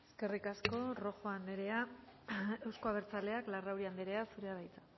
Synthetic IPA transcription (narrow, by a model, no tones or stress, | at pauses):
e̞ske̞rikasko̞ro̞xo̞aneɾea | e̞wsko̞aβ̞e̞ɾt͡sale̞aklarawɾiand̪eɾe̞asuɾe̞aɾajt͡sḁ